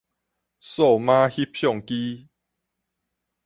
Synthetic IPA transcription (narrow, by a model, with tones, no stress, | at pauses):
so˥˨mã˦hi˦˥p̚ɕjɔ˥˨ŋki˦